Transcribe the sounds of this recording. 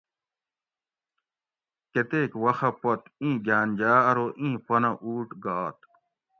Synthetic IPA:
ket̪eːkwɐxɐpɐt̪ĩːɡʱjaːnʲd͡ʑaːɐɾoʔĩːpɐnɐʔuːʈɡaːt̪̚

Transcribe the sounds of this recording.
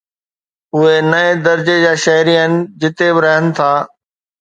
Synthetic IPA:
ʊɦenɐed̪ɐɾd͡ʑed͡ʑaːʃɐɦɾiənɪ̆d͡ʑɪt̪ebɪɾɐɦənɪ̆t̪ʰaː

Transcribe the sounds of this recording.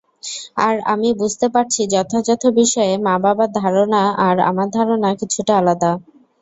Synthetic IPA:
a̰ɾa̰mibud͡ʑʱt̪epaʈ̚t͡ɕʰid͡ʑɔt̪ʰod͡ʑɔt̪ʰobiʃɔemababad̪ʱaɾonaaɾa̰maɾd̪ʱaɾonakit͡ɕʰuʈaalad̪a

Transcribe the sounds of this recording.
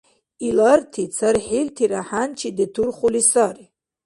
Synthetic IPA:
ilartʰit͡sʰaɾħiltʰiɾaħant͡ʃʰiditʰurχulisari

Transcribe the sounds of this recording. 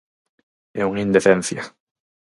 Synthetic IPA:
euŋind̪efenθja

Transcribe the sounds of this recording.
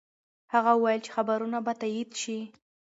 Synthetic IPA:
haɣawəwajəlt͡ʃe̥xabaɾunabat̪ajid̪ʃi

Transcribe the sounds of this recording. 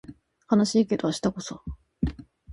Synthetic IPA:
hanaɕiːke̞d̪o̞aɕi̥t̪ako̞so

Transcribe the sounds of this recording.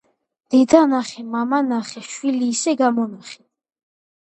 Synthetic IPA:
d̪̥ɛd̪anaχɛmamanaχɛʃwiliːsɛɡamɔnaχɛ̥

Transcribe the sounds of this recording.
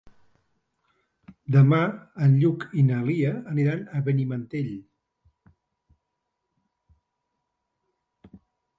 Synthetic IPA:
d̪əmaənʎukinəliəːniɾanəβənimənt̪eʎ

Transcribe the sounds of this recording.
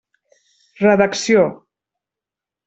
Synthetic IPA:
rəðəksijo

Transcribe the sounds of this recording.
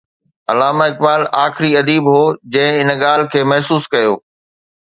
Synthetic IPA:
ɐlaːmaɪk̚baːlaːxɪɾiɐd̪iːbɦoːd͡ʑɐ̃ɦɪ̃ɪnɠaːl̤ɪ̆kʰeːmɐɦsuːskɐjoː

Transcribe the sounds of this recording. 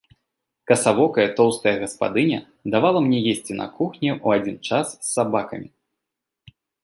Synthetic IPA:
kɐsavɔkɐjɐt̪ɔwst̪ɐjɐɣɐspa̰d̪ɨnʲɐ | d̪avalˠɐmnʲɛjesʲt͡sʲinɐ̰kuxnʲiʔuad͡zʲint͡ʂasːabakɐmʲi

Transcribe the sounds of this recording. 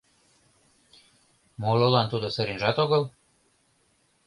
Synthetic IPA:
molˠolɑnt̪ud̪ŏsəɾinʒɑt̪oɣɤ̆l

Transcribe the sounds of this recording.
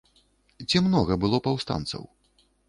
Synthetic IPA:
t͡sʲimnɔɣɐbɨlˠɔpawst̪a̰nt̪sɐ̰w

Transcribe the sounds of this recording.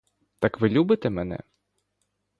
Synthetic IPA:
t̪ɑkʋɪlʲubɪt̪ɛmɛnɛ̰

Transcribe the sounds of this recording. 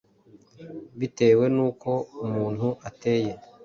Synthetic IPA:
βite̞ːwe̞nuːko̞umuːn̥huʔate̞ːje̞

